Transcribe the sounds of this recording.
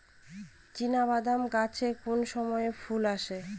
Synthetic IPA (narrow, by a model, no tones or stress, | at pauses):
t͡ɕinaβad̪amkat͡ɕʰekonʃɔmɔefulaʃe